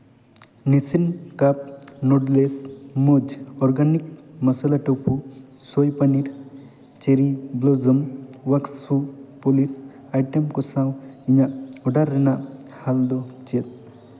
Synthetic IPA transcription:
nisinkap̚noɖlesmod͡ʒɔɾɡanik̚mɐsalaʈopʰu | sojpaniɾ | t͡ʃeɾiblozəmwaksupolis | ajʈemkosãwiɲaʔɔɖaɾːenahald̪ɔt͡ʃet̪̚

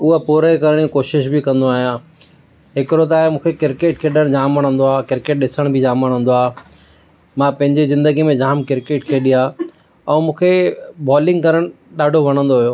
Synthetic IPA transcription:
ʊɦəpuːɾekɐɾəɽ̃ikoːʃɪʃ̬bikɐ̃nd̪oaːɦijãː | ɦɪkɪɾot̪̬aːɦemũːkʰekɪɾkeːʈ̚kʰeɗəɽ̃d͡ʑaːmɐɽ̃ə̃nd̪oaːkɪɾkeːʈ̚ɗɪsəɽ̃bʱɪd͡ʑaːməɽ̃ɦə̃n̆d̪oaː | mãpɐ̃ɦɪ̃ɲd͡ʑizɪ̃nd̪əɡimẽd͡ʑaːmkɪɾkeːʈkʰeɗiɦa | ɛ̃ːmũːkʰebɔːlɪ̃ŋɡkɐɾəɽ̃ | ɗaːɖʱoʋɐɽ̃ə̃nd̪oɦijoː

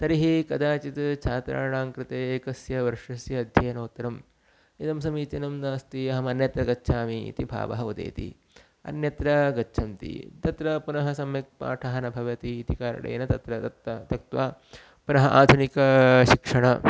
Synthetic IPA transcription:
t̪ɐɾiɦikɐd̪aːt͡ʃit̪t͡ʃʰaːt̪ɾa̰ːɳaːŋkɾɪt̪eːekɐsjɐʋɐɾʂɐsjɐːd̪ʱjɐjɐnoːt̪ːɐɾɐm | id̪ɐmsɐmiːt͡ʃɐnɐmnaːst̪iɐɦɐmɐnjɐt̪ɾɐɡɐtːʃʰaːmiḭt̪ibʱa̰ːʋɐ̰ɦɐud̪ḛːt̪ḭ | ɐ̰njɐt̪ɾɐɡɐtːt͡ʃʰɐmt̪ḭt̪ɐt̪ɾɐpunɐɦɐsɐmjɐk̚pa̰ːʈʰɐɦɐnɐbʱɐʋɐt̪iːd̪ikaːɾɐ̰ɽḛːnɐt̪ɐt̪ɾɐɐt̪ɐt̪ɐk̚t̪ʋaː | punɐɦɐʔaːd̪ʱunikɐʃikʂɐɳɐ

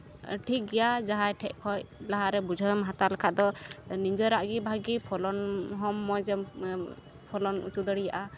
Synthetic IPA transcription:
ʈʰik̚ɡɛjad͡ʒaɦajʈʰɛʔ̚kʰɔjlaɦaɾɛbud͡ʒʱəmɦat̪alakʰaʔd̪ɔniɲd͡ʒəɾaʔɡibʱaɡipʰɔlɔnɦɔmːɔjd͡ʒɛ | pʰɔlɔnṵt͡ʃud̪ɔɽijaʔa

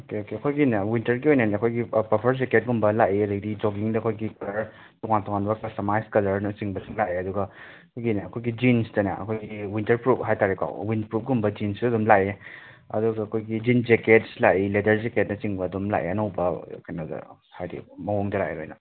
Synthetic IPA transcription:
okeokeɐkʰojɡinɐwintɐɾɡiojnajnɐɐkʰojɡipɐpʰɐɾzeket̚ɡumbɐlaʔiɐdɐɡdid͡ʒoɡiŋdɐɐkʰojɡikɐlɐɾ | tɔŋantɔŋanbɐkɐsɐmajskɐlɐɾnɐt͡ʃiŋbɐsiŋlaeɐduɡɐ | kʰojɡinɐːkʰojɡid͡ʒinsdɐnɐɐ̰kʰojɡiwintɐɾpɾup̚ɦajtaɾeka̰wwinpɾup̚ɡumbɐd͡ʒinsdɐdumlae | ɐ̰duɡɐːkʰojɡid͡ʒind͡ʒeket̚slaʔiledɐɾzeket̚nɐt͡ʃiŋbɐːdumla̰ʔḭɐnɐwbɐkɐjnɐdɐ̰ | hajdḭmɐɦoŋdɐla̰ḛɾojnɐ

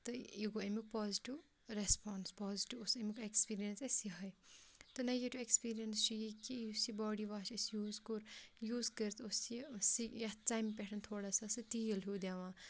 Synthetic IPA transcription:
t̪ɨiɡoɐmik̚pɔːziʈiw | ɾespɔːnspɔːziʈiʋusɐmikekspiːɾijɐnsɐsiɦɐjt̪ɨnɐjiʈuekspiːɾijɐnst͡ʃʰijikiusibɔːɽiʋaːt͡ʃʰɐsjuːzkuɾjuːzkəɾt̪usisijɐtampʲeʈʰɐnt̪ʰoːɽasasɨt̪iːlɦud̪aʋãː

